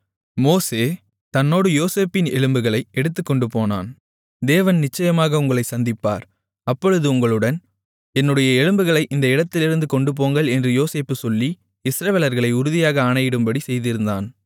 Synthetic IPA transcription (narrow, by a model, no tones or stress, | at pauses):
moːseː | t̪ɐnːoːɽɯjoːseːpːɪnɛɻɯmbɯɣɐɭɐɪɛɽɯt̪̬ːɯkːɔɳɖɯpoːna̰ːn | d̪eːʋɐnnɪt͡ʃːɐjɐmaːɣɐʊŋɡɐɭɐɪsɐnd̪ɪpːa̰ːɾ | ɐpːɔɻɯðɯʊŋɡɐɭɯɽɐn | ɛnːɯɽɐjɐɛɻɯmbɯɣɐɭɐɪʔɪnd̪ɐɪɽɐt̪ːɪlɪɾɯnd̪ɯkɔɳɖɯp̬oːŋɡɐɭɛndrɯjoːseːpːɯsɔlːi | ɪsɾɐʋeːlɐɾɣɐɭɐɪʊɾɯðɪjaːɣɐːnɐjɪɽɯmbɐɽisɛjðɪɾɯnd̪a̰ːn